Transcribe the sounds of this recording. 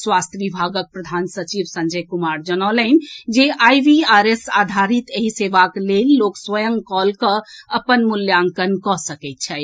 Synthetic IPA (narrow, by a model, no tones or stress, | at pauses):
swast̪ʰjəʋibʱaɡək̚pɾəd̪ʱansət͡ʃibsə̃nd͡ʒəjkumaɾd͡ʒənɔlənd͡ʒeʔajʋiaɾesad̪ʱaɾit̪eɦiseʋaklelːokswəjəŋkɔlkəəpənmuljaŋkənkɔsəkɛt̪̚t͡ʃʰɛj